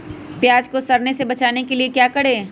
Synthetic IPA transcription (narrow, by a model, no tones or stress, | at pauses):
pjaːd͡ʒkosɐɾnesebɐt͡ʃaːnekeliekjaːkɐɽ̤eː